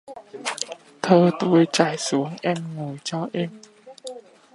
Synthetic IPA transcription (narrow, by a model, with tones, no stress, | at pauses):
t̪ʰəː˧˩t̪u˧əjt͡ɕa˨˩jsu˨˦əŋʔɛ˧mŋu˨˩jt͡ɕɔ˧ʔɛ˧m